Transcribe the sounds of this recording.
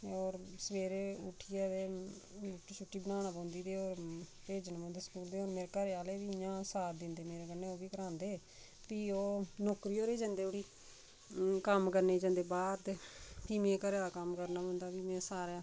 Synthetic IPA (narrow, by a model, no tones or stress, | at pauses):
oːɾsəʋeːɾeʊ̰ʈʰːiːaːd̪eː | t͡ʃʰuʈːiːbənaːñaːbõːnd̪iːd̪eːoːɾpeːd͡ʒənbɔ̃ːnd̪eːsəkuːld̪eːoːɾmeːɾekəɾeaːleːʋiːjãːsaːɾd̪ɪnd̪eːmeːɾeːkəneːoːbiːkəɾãːnd̪eː | piːoːnoːkɾiːoːɾeːd͡ʒãnd̪eːoːɽiː | kəmkəɾneːd͡ʒãːnd̪eːbaːɾd̪piːmẽːkəɾeaːkəmkəɾnaːõːnd̪aːbiːmɛ̃ːsaːɾãː